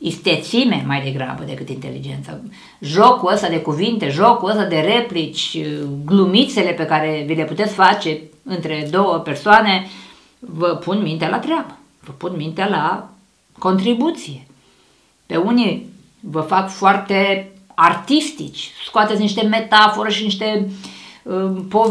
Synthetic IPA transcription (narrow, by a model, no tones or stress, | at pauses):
ist̪e̞t̪sime̞majd̪e̞ɡɾa̰bəd̪e̞kɨt̪int̪e̞lḭd͡ʒe̞nt̪sa̰ | ʒo̞kuəst̪ad̪e̞kuvint̪e̞ʒo̞kuəst̪ad̪e̞re̞plit͡ʃʲɡlumit̪se̞le̞pe̞kaɾe̞vile̞put̪e̞t̪sʲfat͡ʃe̞ɨnt̪ɾe̞d̪o̞wəpe̞rsoane̞ | vəpʰunmint̪ealʔa̰t̪ɾeabə | vəpunmint̪eala | ko̞nt̪ɾibut̪sije̞ | pe̞uni | vəfakfoart̪e̞ | art̪ist̪it͡ʃʲskoat̪et̪sʲniʃt̪e̞me̞t̪afo̞ɾeʃiniʃt̪e̞ | əpo